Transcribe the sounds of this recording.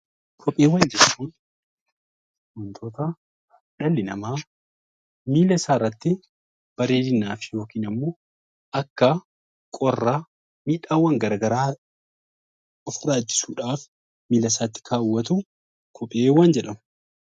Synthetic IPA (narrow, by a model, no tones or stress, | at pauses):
kʰɔpʼeːwɐːnd͡ʒɛᶑt͡ʃːuːn | ʔʊnt̪ʰoːt̪ɐ | ᶑɐlːɪnɐmaː | miːlɐsaːrːɐt̪ːɪ | b̥ɐɾeːd̪ɪnːaːfɪjo̞ːkiːnɐmːoː | ɐkːɐ | kʼɔrːaː | miːᶑaːwɐŋɡɐɾɐɡɐɾaː | ɔfʊraːd͡ʒːɪ̥suːᶑaːf | miːlɐsaːt̪ːɪ̥kʰaːwːɐt̪u | kʰɔpʼːeːwand͡ʒɛᶑɐmɐ